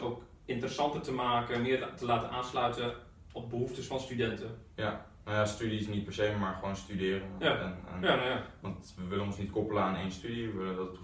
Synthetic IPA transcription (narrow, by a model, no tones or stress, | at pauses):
oːk | ɪntərəsɑntərtəmaːkəmɪərtəlaːtənʔaːnslœɥtə | ɔp̚bəhuftəsfɔnstydɛntəja | nojastydisnit̚pɛɹseːmaɹxəʋoːnstydɪːrənn̰ | ʋɑntʋəʋɪlənɔnsnitkopələaneːnstydiʋəʋɪləndɔtət